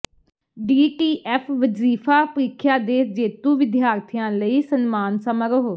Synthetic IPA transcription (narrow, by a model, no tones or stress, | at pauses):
ɖiːʈiːʔɛːpʰʋəziːfʰaːpəɾiːkʰjaːd̪eːd͡ʒeːt̪ũːʋɪd̪jaːɾt̪ʰijãːləiːsənmaːnsəməɾəɦoː